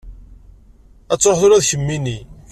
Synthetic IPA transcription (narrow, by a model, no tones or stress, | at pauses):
æt͡sːoħθʊɾæðçəmːini